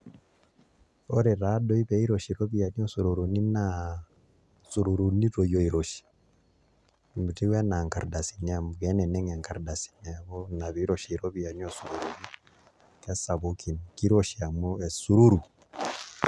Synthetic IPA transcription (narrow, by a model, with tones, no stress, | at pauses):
ɔ˦ɾɛɾa˦dɔ˦i˦βɛi˦ɾɔʃi˨ɾɔ˦βi˦a˨niɔsuɾu˨ɾu˨ni˦na | su˨ɾu˨ɾu˨ni˦tɔ˨jɔ˨iɾɔʃi̥ | mbu˨ti˦wɛ˦na˨ŋka˨ɾda˨si˨nɛa˨mu˨ɡɛ˦nɛ˨nɛ˦ŋa˨ŋka˨ɾda˨si̥nɛ˨a˨βɔna˨βi˨˦ɾɔʃiiɾɔ˦βi˨a˨nosu˨ɾu˨ɾu˨βi˦ | ka˦sa˨βoki˨nki˦ɾɔʃia˨mu˦esuɾu˦ɾu˨